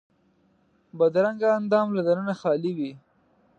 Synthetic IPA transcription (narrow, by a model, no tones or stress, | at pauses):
bad̪ɾaŋɡaːnd̪ɑmlad̪anənaxɑliwi